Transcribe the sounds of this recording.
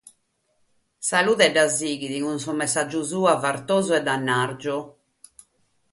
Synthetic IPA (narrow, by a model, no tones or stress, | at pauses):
saluːðɛɖːaziːɣiðiɣunsɔmɛsad͡ʒːuzuːavaɾt̪oːzɔɛd̪anːaɾd͡ʒɔ